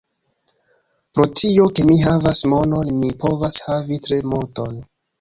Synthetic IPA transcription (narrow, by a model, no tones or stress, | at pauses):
pɾo̞tʰio̞ke̞miɦavasmo̞no̞nmipo̞vashavitɾe̞muɾto̞n